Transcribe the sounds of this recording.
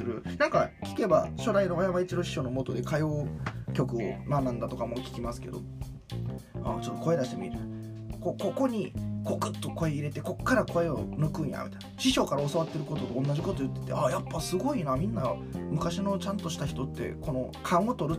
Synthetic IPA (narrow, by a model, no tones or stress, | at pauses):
ɾɯ̟nãŋkakʲi̥ke̞baɕo̞ɾaino̞βajaβait͡ɕid̪o̞ɕi̥ɕo̞no̞mo̞t̪od̪e̞kajo̞ːkʲo̞kɯ̟o̰manːãnd̪at̪o̞kamo̞kʲi̥kʲimasɨ̥ke̞d̪o̞̰ | a̰t͡ɕo̞t̪ːo̞ko̞e̞d̪aɕi̥t̪e̞mʲiɾɯt̪ | koko̞ko̞ɲ̟ikokɯt̪ːo̞ko̞eiɾe̞t̪e̞ko̞kːaɾako̞eo̰nɯ̟kɯ̃a̰mʲʔit̪anɕiɕo̞ːkaɾao̞saβat̪ːe̞ɾɯ̟kot̪o̞t̪õːnːad͡ʑʑiko̞t̪o̞jɯ̟t̪ːe̞̥t̪e̞̰ajapːasɨɡo̞inamʲĩnːamɯ̟kaɕino̞t͡ɕãnt̪o̞ɕi̥t̪açi̥t̪o̞t̪ːe̞̰kʰo̞no̞ | kʰãot̪o̞ɾɯ̟